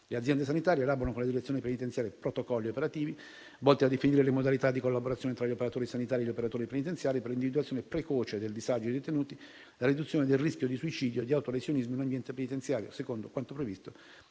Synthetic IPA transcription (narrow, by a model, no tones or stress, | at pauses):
lead̪zjɛnd̪es̬anit̪aːɾjelaːboɾanokonled̪iɾet̪sjonepenit̪ent̪sjaːɾjepɾot̪okɔlːiopeɾat̪iːvi | vɔlt̪ead̪ːefiniːɾelemod̪alit̪ad̪ːikolːaboɾat̪sːjoːnet̪ɾaʎiopeɾat̪oːɾisanit̪aːɾieʎiopeɾat̪oːɾipenit̪̬ent̪sjaːɾiperɾlind̪ivid̪uat̪sjoːnepɾekoːt͡ʃed̪eld̪izad͡ʒod̪et̪enuːt̪i | laɾid̪ut̪sːjoːned̪elriskʲjod̪isuit͡ʃiːd̪joed̪iawt̪olesjonizmoinambjɛnt̪epenit̪ent̪sjaːɾjo̰sekond̪okwant̪opɾevist̪o